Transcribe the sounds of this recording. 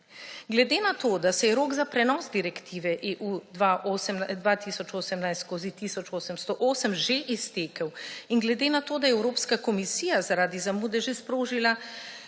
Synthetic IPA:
ɡlɛd̪enat̪oːd̪asɛjɛɾoːɡzapɾɛnɔːzd̪iɾɛkt̪ʰiːʋɛʔeːʔuːd̪ʋaʔosmd̪ʋat̪iːsɔt͡ʃoːsəmnajst̪skoːzit̪iːsɔt͡ʃoːsəmst̪ɔʔoːsəmʒeʔist̪eːkəwiŋɡlɛd̪eːnat̪oːd̪ajɛwɾoːpskakɔmisiːjazaɾaːd̪izamuːd̪ɛʒespɾoːʒila

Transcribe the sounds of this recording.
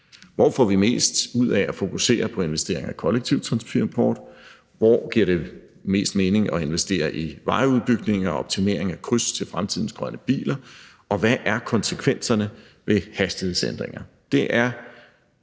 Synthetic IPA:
ʋɒfɒ̰ːʋime̝̰ːsd̥uð̰ˠɛæfo̝kʰuse̝̰ːɐpʰɒ̽e̝nʋesd̥e̝ɐ̰e̝ŋækʰɒ̽leɡ̥̚t͡sʰiʊ̰t͡sʰʁɑ̈nspʰynpʰɒ̰ːd̥ | ʋɒɡ̥iɐ̰ɾ̥e̝ | me̝̰ːsd̥me̝ːne̝ŋʔɒ̽e̝nʋesd̥e̝̰ːɐʔiʋɑ̈ɪuðˠb̥yɡ̥ne̝ŋɒɒb̥̚t͡sʰime̝̰ːɐe̝ŋækʰʁyst͡sʰe̝lfʁamt͡sʰið̞̰ˠn̩sɡ̥ʁɶnəb̥ḭːlɐ | ʔɒ̽ʋæʔæɐkʰɒ̽nsəkʰʋen̰sɐnə | ʋe̝hæsd̥ihe̝send̥ʁeŋɐ | d̥e̝ʔæɐ

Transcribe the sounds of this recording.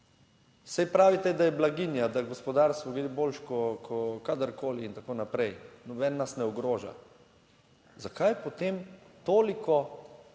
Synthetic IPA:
sɛjpɾaːʋit̪ɛd̪ajɛblaɡinjad̪aɡɔspɔd̪aɾst̪ʋɔɡld̪eboːlʃkɔkʰɔkad̪əɾkʰoːliːnt̪akoːnapɾɛjnɔbɛːnːasnɛɔɡɾoːʒa̰ | zakajpɔt̪eːmt̪oːlikɔ

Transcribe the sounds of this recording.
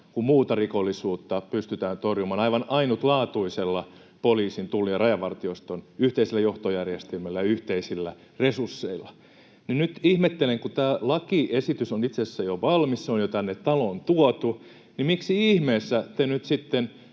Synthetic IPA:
kummuːt̪ɑrikolːisuːt̪ːɑpyst̪yt̪æːnt̪orjumɑːnɑiʋɑnɑinut̪lɑːt̪uiselːɑ | poliːsint̪ulːiɑrɑjɑʋɑrt̪iost̪onyht̪eiselːæjoht̪ojærjest̪elmælːæjɑyht̪eisilːæ | resursːeilːˑɑ | ninyt̪ihmet̪ːeleŋkut̪æːlɑkiesit̪ysonit̪sesːæjoʋɑlmisseonjot̪ænːet̪t̪ɑlont̪uɔt̪u | nimiksiihmeːsːæt̪enyt̪sit̪ːen

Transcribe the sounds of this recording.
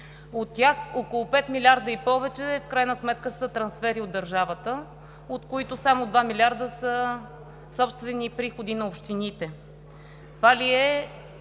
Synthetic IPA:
ot̪ːjaxokolˠopɛt̪milʲaɾd̪əipɔvɛt͡ʃɛfkɾajnəsmɛt̪kəsət̪ɾɐnsfɛɾiod̪ːɐɾʒavət̪ə | ot̪koit̪ʊsamod̪vamilʲaɾd̪əsə | sɔpst̪vɛnipɾixod̪inɐopʃt̪init̪ɛ | t̪ovaliɛ

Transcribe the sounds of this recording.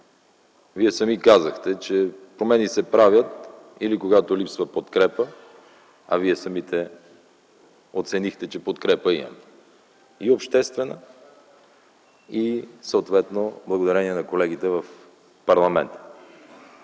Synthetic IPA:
viɛsɐmikazəxt̪ɛt͡ʃɛpɾomɛnisɛpɾavʲjət̪ | ilikoɡat̪olipsvəpot̪kɾɛpə | ɐ̰viɛsɐmit̪ɛ | ot̪sɛnixt̪ɛt͡ʃɛpot̪kɾɛpəḭmɐ̰mɛ | iopʃt̪ɛst̪vɛnə | isəot̪vɛt̪noblˠɐɡod̪ɐɾɛniɛnɐkolɛɡ̟it̪ɛvəf | pɐɾlˠɐmɛ̰nt̪ə̥

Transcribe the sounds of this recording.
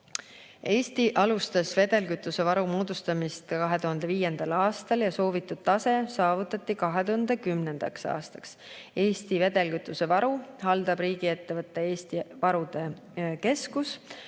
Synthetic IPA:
e̞ːst̪iʔɑlust̪ɑsve̞d̪̥e̞lkyt̪ːˑuse̞vɑɾumoːd̪̥ust̪ɑmist̪kɑɦe̞t̪uɦɑnd̪̥e̞viːje̞nd̪̥ɑlɑːst̪ɑljɑso̞ːvit̪ːˑud̪̥t̪ɑse̞sɑːvut̪ːˑɑt̪ˑːikɑɦe̞t̪uhɑnd̪̥ekymne̞nd̪̥ɑksɑ̰ːst̪ɑ̥ks | e̞ːst̪ive̞d̪̥e̞lkyt̪ːˑuse̞vɑɾuhɑld̪̥ɑb̥riːɡie̞t̪ːe̞vɤt̪ˑːee̞ːst̪ivɑɾud̪̥e̞ | ke̞skus

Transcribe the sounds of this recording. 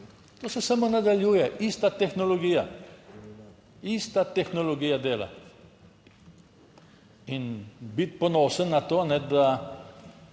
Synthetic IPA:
t̪osesamonɐd̪aljujeʔist̪at̪exnoloɡiɐ | ist̪at̪exnoloɡijad̪elɐ̰ | inbit̪̚ponosənɐt̪onɛd̪a

